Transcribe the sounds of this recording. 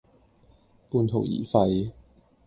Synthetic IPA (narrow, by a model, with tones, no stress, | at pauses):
puː˧nt̪ʰo˨˩wjḭː˨˩fɐ˧j